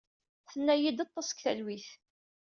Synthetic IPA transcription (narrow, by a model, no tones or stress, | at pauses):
θənːæjid̪ɑt̪ˤːɑskθæ̰lwiθ